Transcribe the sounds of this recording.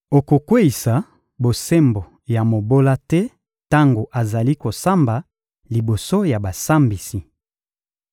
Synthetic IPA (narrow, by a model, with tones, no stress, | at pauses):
o˨ko˨kwe˦i˨sa˨ | bo˨se˦mbo˨ | ja˨mo˨bo˦la˦tɛ˦ | ta˦ŋɡo˨ʔa˨za˨li˦ko˨sa˦mba˨ | li˨bo˨so˦ja˨ba˨sa˦mbi˨si˨